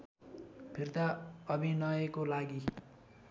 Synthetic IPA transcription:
pʰird̪aʌbʱinʌjekolaɡi

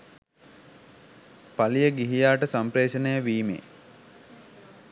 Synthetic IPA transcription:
palijəɡiɦijaːʈəsampɾeːʃənəjəʋiːmḛː

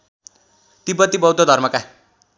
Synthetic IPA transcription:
t̪ibʌt̪ːibʌwd̪ʱod̪ʱʌrmʌka

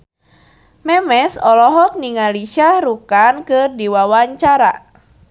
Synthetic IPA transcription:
mɛmɛsɔlɔɦɔk̚niŋaliʃaɾukankɨrdiwawaɲt͡ʃaɾa̰

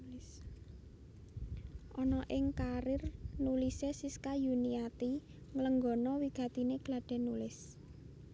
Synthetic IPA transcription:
ʔɔnɔʔɪŋkaɾɪrnulisesiskajuniat̪i | ŋələŋɡɔ̤nɔwiɡ̥ä̤t̪ineɡ̥laɖ̥ɛ̤nulɪs

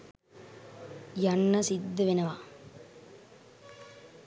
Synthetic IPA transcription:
janːɐsid̪ːəʋenəʋa

